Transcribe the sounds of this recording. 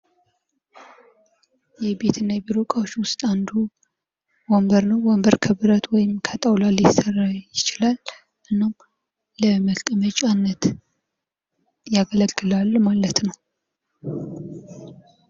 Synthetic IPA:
jɛbe̞t̪ʰɨnːajbiɾokʼawt͡ʃːwʊst̪ʼand̪u | wɔmbəɾnəwwɔmbəɾkʰəβɨɾət̪wɔjɪmkʰət̪ʼəwlalisərːajɪt͡ʃɪlal | ʔɨnːom | ləməlt̪ʼəmət͡ʃʼanːət̪ | jaɡələɨlalːmalət̪nəw

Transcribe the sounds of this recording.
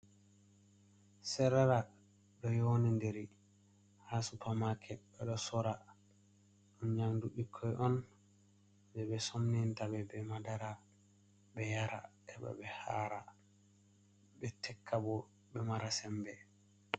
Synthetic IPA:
sɛɾaɾa | ɗɔjonindeɾi | hasupamakʰɛɓɛɗɔsɔɾa | ɗɔnɲamduɓikʰːɔjʔɔn | bɛbɛsomnintabɛbɛmadaɾa | bɛjaɾa̰ | ɛba̰bɛhaːɾa | bɛtʰɛkʰːabɔ | bɛmaɾasɛmbɛ

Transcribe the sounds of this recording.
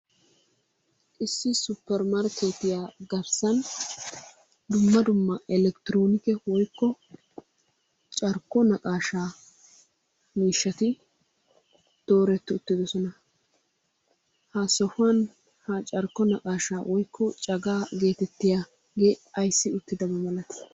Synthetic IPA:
ʔɪsːɪsʊpːɛɾmɐɾkʰet̪ːɪjaːɡɐɾsɐn | d̪ʊmːɐd̪ʊmːɐʔɛlɛkt̪ɪɾoːnɪkɛwɔjkːɔ | t͡ʃʼɐɾkːɔnɐkʼaːʃaː | miːʃːɐt̪ɪ | d̪̥o̞ːɾɛt̪ːɪʊt̪ːɪd̪ɔsɔnɐ | hɐsɔfʊɐn | hɐt͡ʃʼɐɾkːɔnɐkʼaːʃaːwʔɔjkʰːɔt͡ʃʼɐɡaːɡe̞ːt̪ɛt̪ːɪja | ɡeːɐjsːɪʊt̪ːɪd̪ɐmɐmɐlɐt̪ɪ̥

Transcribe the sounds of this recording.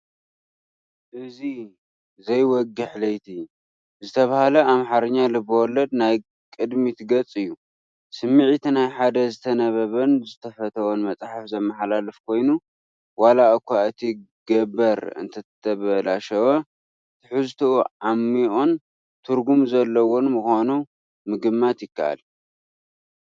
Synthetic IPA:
ʔɨzi | zɐjwɔɡɨħlɐjt̪ʰi | zɨt̪ʰɐβahalɐamħaɾɨɲːalɨbɐwɔlːɐd̪naj | kʼɨd̪mit̪ʰɡɐt͡sʼɨjːu | sɨmːiʕit̪ʰinajħad̪ɐzɨt̪ʰɐnɐβɐβɐnzɨt̪ʰɐfɐt̪ʰɐwonmɐt͡sʼħafzɐmːɐħlalɨfkʰo̞jnu | walaʔɨkʰʷaʔɨt̪ʰi | ɡ̥ɐbɐɾɨ̰nt̪ʰɐɐβɐlaʃɐwɐ | t̪ʰɨħɨzt̪ʰɨuʕamːiʔo̞n | t̪ʰɨɾɡumzɐlːɐwo̞nmɨxonu | mɨɡɨmːat̪jɪkʰːa̰ʔa̰l

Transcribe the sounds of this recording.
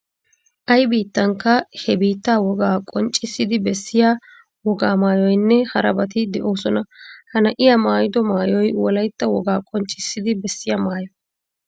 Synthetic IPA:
ʔɐjbiːt̪ːɐŋkːɐhɛbiːt̪ːaːwɔɡaːkʼɔnt͡ʃʼːɪsːɪd̪ɪbɛsːɪjaː | wɔɡaːmaːjɔjnːɛhɐɾɐbɐt̪ɪd̪ɛʔoːsɔnɐhɐnɐʔɪjaːmaːjɪd̪ɔmaːjɔjwɔlɐjt̪ːɐwɔɡaːkʼɔnt͡ʃʼːɪsːɪd̪ɪbɛsːɪjaːmaːjɔ

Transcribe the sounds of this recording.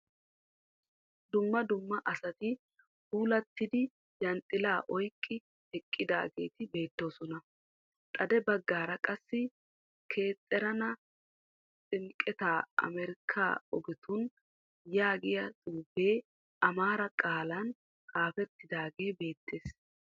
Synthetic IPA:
d̪ʊmːɐd̪ʊmːɐʔɐsɐt̪ɪ | huːlɐt̪ːɪd̪ɪ | jɐnt̪ʼːɪlaːʔɔjkʼːɪ | ɛkʼːɪd̪a̰ːɡe̞ːt̪ɪbe̞ːt̪ːo̞ːsɔnɐ | t̪ʼɐd̪ɛbɐɡːaːɾɐkʼɐsːɪ | kʰe̞ːt̪ʼːɛɾɐnɐ | t͡sʼɪŋkʼɛt̪aːɐ̰mɛɾɪkʰːa̰ːɔɡɪt̪ʰʊn | jaːɡɪjɐt̪ʼuːbe̞ː | ɐmaːɾɐkʼaːlɐn | kaːfɛt̪ːɪd̪aːɡe̞ːbe̞ːt̪ːeːs

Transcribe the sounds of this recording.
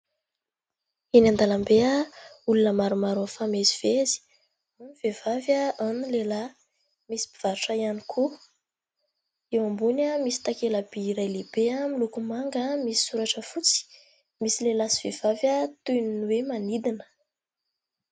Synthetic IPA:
inand̪alambeaulunəmaɾumaɾofameziv̥ezi̥ | aniv̥evavaanilela | misi̥pi̥v̥aɾuʈ͡ʂaianikʰu | ewambunəmisi̥t̪akelab̥iɾajleb̥eamilukumaŋɡəmisi̥suɾaʈ͡ʂəfut͡si̥ | misilelasi̥v̥ev̥avjat̪uninwemanid̪inə̥

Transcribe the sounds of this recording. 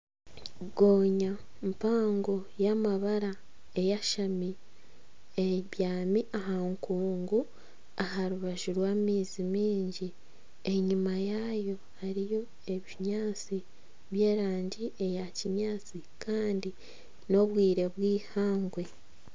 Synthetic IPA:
ɡoːɲa | mpaːŋɡo̞jamaβaɾa | e̞jaʃami | eβjaːmiʔaɦaŋkuːŋɡu | aɦaɾuβaʒuɾwaːmiːzimiːɲɟi | e̞ɲimajajo̞ | haɾijo̞ | e̞βiɲaːt͡si | βje̞ːɾaːɲɟiʔe̞jaciɲaːt͡si | kʰaːndi | no̞βwiːɾe̞βwiːhaːŋɡwe̞

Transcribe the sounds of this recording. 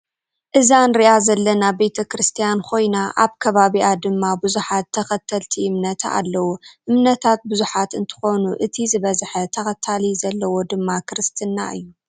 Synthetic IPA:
ʔɨzanɾiʔazɐlːɐnabe̞t̪ʰɐkɾɨst̪ʰijankʰo̞jnaʔa̰βkʰɐβaβiʔad̪ɨmːabɨzuħat̪ʰːɐxɐt̪ʰɐlt̪ʰiɨmnɐt̪ʰa̰a̰lːɐwuʔɨmnɐt̪ʰat̪̚bɨzuħat̪ɨnt̪ʰɨ̥xo̞nuʔɨt̪ʰizɨβɐzħɐt̪ʰɐxɐt̪ʰalizɐlːɐwo̞d̪ɨmːakʰɾɨst̪ʰɨnːa̰ʔɨ̰jːu

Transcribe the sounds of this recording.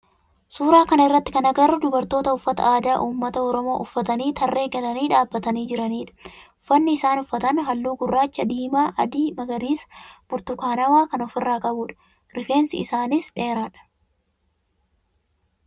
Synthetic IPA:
suːɾaːkɐnɐɪrːɐt̪ːɪ̥kɐnɐɡɐɾʊd̪ʊbɐɾt̪o̞ːt̪ɐʊfːɐt̪ɐ̰ʔaːd̪aːʔuːmːɐt̪ɐɔɾɔmo̞ːʔʊfːɐt̪ɐniːt̪ʰɐrːe̞ːɡɛᶑ̪ɐniːᶑaːbːɐt̪ɐniːd͡ʒɪɾɐniːᶑɐ̥ʊfːɐnːɪɪsaːnʊfːɐt̪ɐnɦɐlːuːɡʊrːaːt͡ʃːɐd̪iːmaːʔɐ̰d̪iːmɐɡɐɾiːsɐ̥b̥ʊɾt̪ʊkaːnɐwaːkɐnɔfɪrːaːkʼɐbuːᶑɐ̥ | ɾɪfe̞ːnsɪ̰ɪsaːnɪsᶑe̞ːɾaːᶑɐ̥

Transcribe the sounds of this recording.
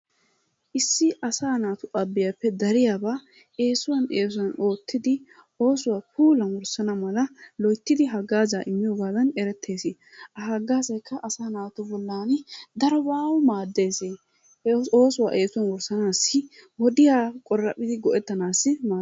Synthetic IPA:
ʔɪsːɪʔɐsaːnaːt̪ʊʔɐbːɪjapːɛd̪ɐɾɪjaːbaː | ʔe̞ːsʊwɐneːs̬ʊwɐno̞ːt̪ʰːɪd̪ɪ | o̞ːsʊwaːpuːlɐnwɔɾsɐnɐmɐlɐlɔjt̪ːɪd̪ɪɦɐɡːaːzaʔɪmːɪjoːɡaːd̪ɐnɛɾɛt̪ʰːe̞ːsɪ | ʔɐɐɡːaːzɐjkʰːɐʔɐsaːnaːt̪ʊbɔlːaːnɪd̪ɐɾɔbaːwʊmaːd̪ːe̞ːseː | o̞ːsʊwa̰ːʔe̞ːsʊwɐnwɔɾsɐnaːsːɪwɔd̪ɪjaːkʼɔrːɐpʼːɪd̪ɪɡɔʔɛt̪ːɐnaːsːɪmaː

